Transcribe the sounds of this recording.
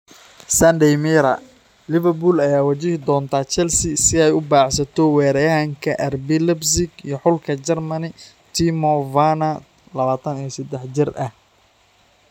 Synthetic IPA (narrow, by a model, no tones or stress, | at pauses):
sɐnd̪ɛjmiɾɐ | lɪvɐrbulɐjaːwɐt͡ʃɪhɪd̪ɔːnt̪ʰaːt͡ʃɛlsɪsɪɛjʊbaːʕsɐt̪ʰɔwɛːɾɛjɐɦɐŋkʰɐʔɐrbɪlɛbsɪɡijɞħʊlkʰɐt͡ʃɛrmɐnɪ | t̪ʰimɔvanɐ | lɐβaːt̪ʰɐnijɞsɐd̪ɛħt͡ʃɪrʔɐh